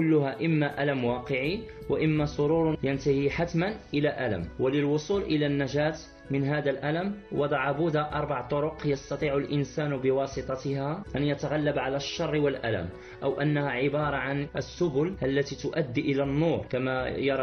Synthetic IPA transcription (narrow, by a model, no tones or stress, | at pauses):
kʊlːʊhaʔɪmːaʔalamwɑːqəʕiwaʔɪmːasˤoɾuːɾjant̪ahiħat̪manʔɪlaʔæla̰mwalɪlwʊsˤuːlʔɪlanːaʒaːt̪ | mɪnɦaːd̪alʔaləmwʔɑd̪ˤɑʕabʊd̪aʔɑɾˤbɑʕt̪ˤʊɾʊqjɑst̪ɑt̪ˤiːʕʊlʔɪnsaːnbɪwɑːsˤɨt̪ˤɑt̪haʔænjat̪aɣalːabʕalaʃːɑrˤːwalʔæ̰læ̰m | ʔawʔanːahaʕɪbɑːɾˤɑʕanʔəsːʊbʊlʔalːæt̪iːt̪ʊʔæd̪ːiʔɪlanːuːɾˤkamajɑɾˤɑ